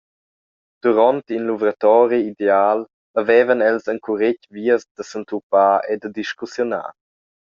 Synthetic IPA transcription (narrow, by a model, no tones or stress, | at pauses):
d̪̥uɾɔnt̪inluvɾat̪ɔːɾiid̪eaːl | əvɛːvənɛlsaŋkʰuɾɪcviəsd̪əsənt̪upaːed̪əd̪iʃkusjona̰ː